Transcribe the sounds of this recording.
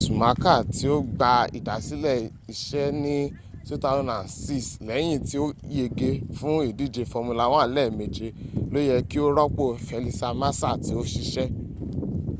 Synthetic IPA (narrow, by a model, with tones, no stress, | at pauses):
su˨mã˨˦ka˦˨ti˨˦o˦ɡ͡ba˧ḭ˨da˨˦si˦lɛ˦˨ | i˨ʃɛ˦nĩ˦ | su˦ta˧˦nã˨si˦˨slɛ˨˦j̃ĩ˧˨ti˦o˦je˧˨ɡe˧fũ˦i˦˨di˦˨d͡ʒe˧fɔ˧mũ˧la˧˦w̃ã˦˨˦lɛ˦˨me˨d͡ʒe˨˦lo˦jɛ˧ki˦o˦ɾɔ˦k͡po˦˨fɛ˨˧li˧sa˧ma˦sa˦˨ti˨˦o˦ʃi˧ʃɛ˦